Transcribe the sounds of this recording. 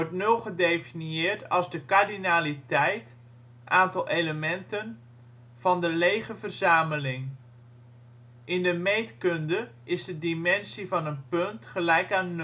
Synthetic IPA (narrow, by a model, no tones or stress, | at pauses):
ʋɔɹtnølˠχədejfinjɪːɹtɑlˠzdəkardinaːlitɛjt | ʔaːntɑlˠejləmɛntən | v̥ɑndəlejχəvərzaːməlɪŋ | ʔɪndəmejtkɵndə | ʔɪzdədimɛnsivɑnənpɵntχəlɛjkaːnː